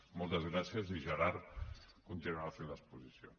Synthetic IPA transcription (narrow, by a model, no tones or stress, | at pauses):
molˠt̪əzɣɾasjəziʒaɾaɾkunt̪inuafenləspuzisjo̰